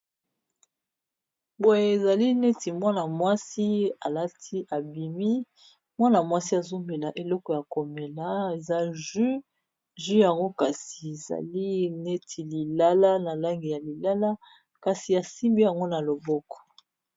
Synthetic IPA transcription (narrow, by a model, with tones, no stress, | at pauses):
bo˨je˨e˨za˨li˦ne˦ti˨mwa˦na˨mwa˦si˦a˨la˦tʰi˦ʔa˨bi˨mi˦ | mwa˦na˨mwa˦si˦a˨zo˦mbe˨la˨ʔe˨lɔ˦kɔ˨ja˨ko˨me˨la˦e˨za˦ʒy˦ | ʒy˦ja˨ŋɡo˦ka˨si˨e˨za̰˨li˦ne˦tʰi˨li˨la˦la˦na˨la˦ŋɡi˨ja˨li˨la˦la˦ | ka˨si˨a˨si˦mbi˦ja˨ŋɡo˦na˨lo˨bɔ˦kɔ̥˨